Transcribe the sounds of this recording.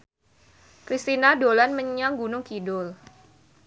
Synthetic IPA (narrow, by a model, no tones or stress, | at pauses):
kɾist̪inadolanməɲaŋɡunʊŋkidʊl